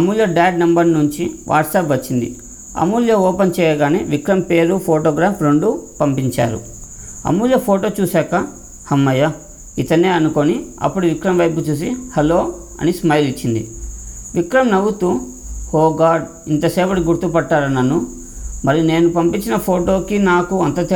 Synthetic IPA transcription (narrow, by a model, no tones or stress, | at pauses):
ɐmuːljɐɖaːɖnɐmbɐɾnuɲt͡ʃiʋʔa̰ːʈsaːpʋɐt͡ʃːind̪ḭ | ɐ̰muːljɐɔːpɐnt͡ʃɛːjɐɡaːnḛːʋikɾɐmpe̞ːɾupʰoːʈoːɡɾaːpɾo̞ɳɖupɐmpiɲt͡ʃa̰ːɾṵ | ɐ̰muːljɐpʰoːʈoːt͡ʃuːsaːkɐ | hɐmːɐjɐ | it̪ɐnːeːɐnuko̞niɐ̰pːuɽuʋikɾɐmʋɐjp̬ut͡ʃuːs̬ihɐlo̞ː | ɐ̰nismɐjlit͡ʃːind̪ḭʋikɾɐmnɐwut̪u | hoːɡaːɖ | int̪ɐsɛːʋɐʈiɡuɾt̪upɐʈːaːɾɐnːɐnːu | mɐɾiune̞ːnupɐmpiɲt͡ʃinɐpʰoːʈo̞ːkinaːkuɐnt̪ɐt̪